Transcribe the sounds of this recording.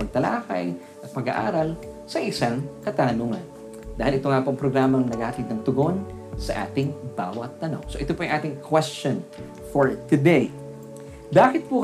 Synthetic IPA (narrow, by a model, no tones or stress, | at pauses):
ɐɡ̚t̪ɐlaːkɐj | ʔɐt̪̚pɐɡa̰ʔa̰ːɾɐl | sɐʔɪsaŋkɐt̪aːnuːŋɐn | d̪aːhɪlʔɪt̪oŋapoʔɐŋpɾoɡɾaːmɐŋnɐɡaːhɐt̪id̪nɐŋt̪ʊɡon | sɐʔa̰ːt̪ɪŋba̰ːwɐt̪ːɐno̞̰ŋsoʔɪt̪opoʔɐŋʔaːt̪ɪŋkʰwɛst͡ʃon | foɹt̪ʊd̪ɛj | baːkɪt̪̚puk